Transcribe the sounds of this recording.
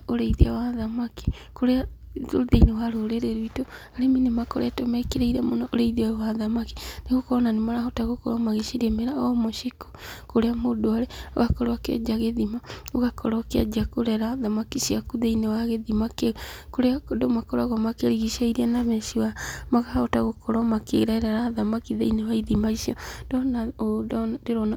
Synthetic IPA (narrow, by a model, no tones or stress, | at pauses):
oɾeiðeawaðamaki̥ | koɾea | oðeinewaɾoɾeɾeɾuitoaɾeminemakɔɾɛ̰tɔmakeɾaiɾamonɔʔoɾeiðiajwaðamaki̥neɣokɔɔnanemaɾaɦɔtaɣokɔɾɔmaɣeʃeɾemeɾaɔmoʃiko̥koɾeamoːdoaɾɛo̰ɣakɔɾoakḛd͡ʒaɣeðimaoɣakɔɾɔkea̰d͡ʒakoɾɛɾaðamakiʃiakuðeinewaɣeðimakekoɾedomakɔɾaɣɔmakeɾiɣiʃaiɾianaβɛʃiwamaɣahɔtaɣokʰɔɾɔmakeɾaeɾaɾaðamakiðḛinewaiðimaiʃiɔd̥ɔnaoddeɾɔna